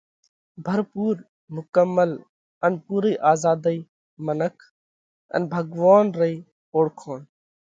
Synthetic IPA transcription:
bʱəɾpuːɾ | mʊkəmːəl | ənpuːɾəiːʔaːzaːd̪əiː | mənəkʰ | ə̰nbʱəɡʋaːnɾəiː | oːɽkʰoːn

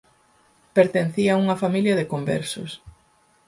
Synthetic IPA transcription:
peɾt̪enθiauŋɐfamiljɐðɪkombɛ̰ɾsʊ̰s

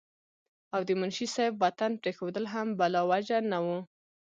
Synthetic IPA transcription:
awd̪əmʊnʃisajfwat̪anpɾexod̪əlɦambalɑwad͡ʒanawu

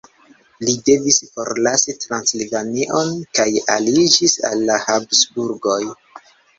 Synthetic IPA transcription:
lide̞visfo̞ɾlasitɾanslivaniʔo̞nkaja̰lid͡ʒisa̰lːahabsbuɾɡo̞j

